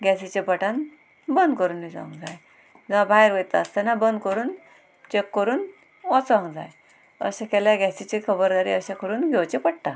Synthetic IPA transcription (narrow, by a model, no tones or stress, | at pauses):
ɡɛsit͡ɕepəʈãn | bənd̪̚kəɾuːnːit͡sã̰ŋɡd͡zaj | d͡zəabʱajɾʋət̪aəst̪anabənd̪kəɾuːn | t͡ɕekːəɾuːn | ɔt͡sãŋɡd͡za̰j | ə̰ɕãkɛljaɡɛsit͡ɕikʰəbəɾd̪aɾḭəɕãkʰəɾuːnɡʱewt͡ɕepəɽʈ̪a